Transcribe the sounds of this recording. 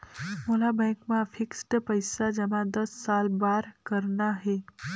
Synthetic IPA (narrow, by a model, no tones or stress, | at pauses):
molabɛ̃kmãfʰiksʈpəjsad͡ʒɛmãd̪əsːalbaɾkəɾnaɦe